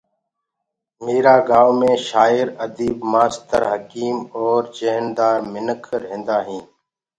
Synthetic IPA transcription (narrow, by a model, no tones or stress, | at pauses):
meːɾaːɡaːʋmẽːʃaːɪɾəd̪iːbmaːst̪əɾɦəkiːmɔːɾd͡ʒeɦnd̪aːɾmɪnəkʰɾɦẽːnd̪aːɦĩː